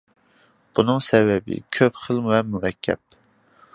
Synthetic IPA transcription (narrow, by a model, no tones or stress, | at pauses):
b̥unɨŋsɛvɛbɪ̰kʲʰøpχəlˠvɛmuɾɛkʲʰːɛ̰p̚